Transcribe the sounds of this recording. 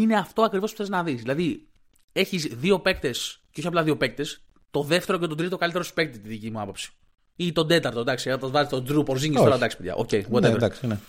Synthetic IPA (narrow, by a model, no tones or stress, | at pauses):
ine̞ɐft̪o̞ɐkɾivospu̥θe̞znɐðisðilɐði | e̞çizðio̞pe̞k̚t̪e̞sceoçiɐplɐðio̞pe̞k̚t̪es | t̪o̞ðe̞ft̪e̞ɾo̞cet̪o̞t̪ɾit̪okalit̪eɾosi̥pe̞k̚t̪it̪iðicimuɐpo̞psi̥ | it̪o̞d̪e̞t̪ɐɾt̪od̪ɐksiɐt̪ɐzvɐzet̪t̪od̪ɾupoɾziɟist̪oɾɐd̪ɐksi̥peʝɐ̰ʔo̰cejot̪ed̪ɐksne